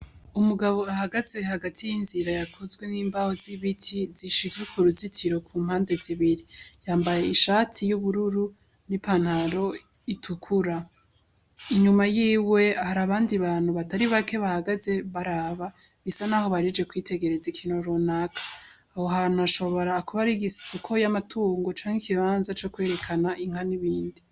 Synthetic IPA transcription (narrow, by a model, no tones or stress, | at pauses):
umuɡaβo̞ahaɡaz̥e̞haɡatʰijinziɾajakʰo̞zɡwe̞niːmbaho̞ziβitʰiziʃizɡukʰuɾuzitʰiɾo̞kʰuːmhaːnde̞ziβiɾijaːmbaje̞iʃatʰijuβuɾuɾu | nipan̥haɾo̞ | itʰukʰuɾa | iɲumajiːwe̞ahaɾaβaːndiβaːn̥huβataɾiβake̞βahaɡaze̞βaɾaːβa | βisanaːɦo̞βaɾid͡ʒekwiːtʰe̞ɡe̞ɾe̞zikʰiːnoɾunakʰḁː | ho̞ɦaːn̥huaʃo̞βo̞ɾaːkuβaɾiɡissukʰo̞jamatʰuːŋɡo̞t͡ʃaːŋ̥ikiβaːnzat͡ʃo̞kwe̞ːɾe̞kʰanaʔiŋ̥haniβiːndi